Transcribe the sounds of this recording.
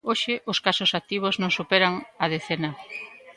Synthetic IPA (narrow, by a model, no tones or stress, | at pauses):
oʃɪʔʊskasʊsak̚t̪iβ̞oznõŋsupeɾaŋɐð̞eθenɐ